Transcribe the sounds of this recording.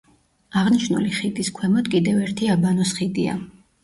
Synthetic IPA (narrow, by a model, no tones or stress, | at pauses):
aʁniʃnṵliχid̪iskʰwɛmɔd̪kʼid̪ɛvɛɾt̪ʰiabanɔsχid̪ia̰